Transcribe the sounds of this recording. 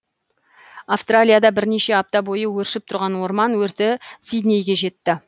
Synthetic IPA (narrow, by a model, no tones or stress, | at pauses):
afst̪ralʲijad̪ɑbɪɾne̞ʃe̞ap̚t̪ɑbo̞jəwɵɾʃɪp̚t̪ʰʊɾʁɑnwo̞ɾmɑnwɵɾt̪ɪsijd̪nʲe̞jɡʲe̞ʒe̞t̪ːɪ